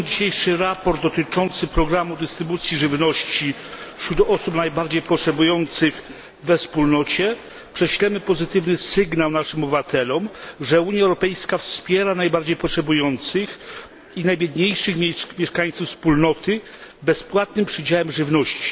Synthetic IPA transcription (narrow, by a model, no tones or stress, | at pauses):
d͡ʑiɕejʂɘɾapɔɾd̪̚ːɔt̪ɘt͡ʂɔnt̪sɘpɾɔɡɾamud̪ɘst̪ɾɘbut̪sʲjiʐɘvnɔɕt͡ɕi | ɕɾud̪ʔɔsupnajbaɾd͡ʑejpɔtʂɛbujɔnt̪sɘx | vɛfspulnɔt͡ɕɛ | pʂɛɕlɛmɘpɔzɘt̪ɘvnɘsɘɡnawnaʂɘmɔbbɘvat̪ʰɛlɔmʐɛuɲjaɛwɾɔpɛjskafspʲjɛɾanajbaɾd͡ʑejpɔtʂɛbujɔnt̪sɘx | inajbʲjɛd̪ɲejʂɘxʲmʲjɛʂkaɲt̪sufspulnɔt̪ɘ | bɛspwat̪̚nɘmpʂɘd͡ʑawɛmʐɘvnɔɕt͡ɕi̥